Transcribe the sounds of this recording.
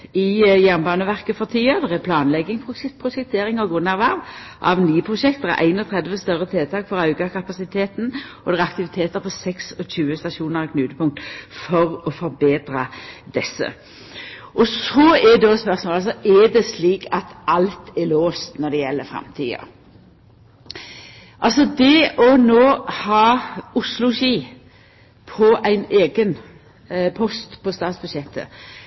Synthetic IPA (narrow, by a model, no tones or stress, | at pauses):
ɪjæʁnbɑːnəʋæʁkəfɔʁt̪ʰiːəd̪ɛʁæpʰlɑːnlɛɡːɪŋpʰʊpʰʁʊʃɛk̚t̪ʰeːʁɪŋɑɡuːnæːʁʋæʁʋʔɑ̰ʋnyːəpʰʁʊʃɛk̚t̪d̪ɛʁæ̰ʔæ̰ɪnɔt̪ʰʁɛd̪ʋəst̪œʁət̪ʰeːt̪ʰɑːkfɔʁɑʉɡɑkʰɑpɑsɪt̪ʰeːt̪n̩ɔd̪ɛʁɛɾɑk̚t̪ɪʋɪt̪ʰeːt̪əɾpʰɔsɛksɔçʉːəst̪ɑʃuːnəʁɛkʰnʉːt̪əpʰʊŋk̚t̪fɔʁɔfɔɾbeːd̪ɾɑd̪ɛsːə̰ | ʔɔsɔɛd̪ɛɔspœɾʁsmoːlɑlsɔʔɛd̪ɛsliːkʰɑt̪ɑlt̪ɛloːst̪nɔd̪ɛjɛlːəɾfɾɛ̰mt̪ʰḭːə̰ | ʔɑlsɔd̪ɛɔnoːhɑːʊslʊʃiː | pʰɔʔæɪneːɡən | pʰɔst̪pʰɔst̪ɑːt̪sbʉd̪ʃjɛt̪ʰːə̰